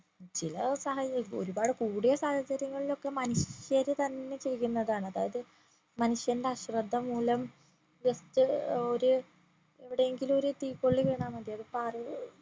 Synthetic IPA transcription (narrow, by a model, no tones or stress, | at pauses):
t͡ɕilɐsɐɦɐo̞̰ɾubaːɽɨkuːɽijɐsaːhɐt͡ɕːɐɾjɐŋːɐɭilo̞kːe̞mɐnuʂjɐɾɨt̪ɐnːe̞t͡ɕeɾikʲːunːɐðaːɳɐðaːjɐðɨ | mɐnuʂjɐɾndeaɕrɐd̪ʱːɐmːuːlɐm | ʋɐst̪ːɨoɾu | eʋiɽejeŋɡilmo̞ɾut̪iːkːoɭːiʋeːɳaːmɐd̪aːjɐðɨpaːr